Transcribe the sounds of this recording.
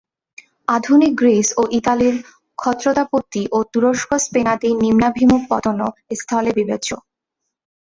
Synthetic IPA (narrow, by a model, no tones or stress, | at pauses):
ad̪ʱunik̚ɡɾisoʔit̪aliɾ | kʰɔt̪ːɾot̪apot̪ːiʔot̪uɾoʃkʰospenat̪inimnabʱimuk̚pɔt̪onoest̪ʰɔlebibet͡ɕo